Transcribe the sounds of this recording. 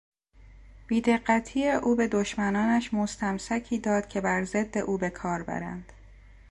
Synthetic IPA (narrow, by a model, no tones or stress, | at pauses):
b̥iːd̪e̞ɢːæt̪ʰiːjeʔuːbe̞d̪oʃmænɒːnæʃmo̞st̪ʰæmsæcʰiːd̪ɒːd̪̥cʰe̞bæɾze̞d̪ːe̞ʔuːbe̞kʰɒːɾbæ̰ɾæ̰nd̪̥